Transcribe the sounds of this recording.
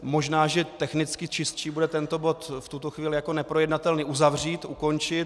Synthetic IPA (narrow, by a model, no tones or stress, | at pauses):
mo̞ʒnaːʒɛt̪ɛxnɪt͡skɪt͡ʃɪst̪̚t͡ʃiːbudɛt̪ɛnt̪o̞bo̞t̪ft̪ut̪o̞xviːlɪjako̞nɛpɾojɛdnat̪ɛlniːʔuzavr̝iːt̪ʔṵko̞nt͡ʃɪt̪